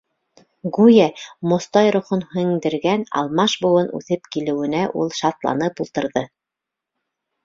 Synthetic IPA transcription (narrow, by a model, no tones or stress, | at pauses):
ɡujæmŏst̪ɑjɾŏχonhɵ̆ŋd̪ɘ̆ɾɡænɑ̰lˠmɑʃbŏwɤnʉ̰θɘpkilɘ̆wɘ̆næʔulˠʃɑt̪lˠɑ̰nɤpulˠt̪ɤ̆ɾðɤ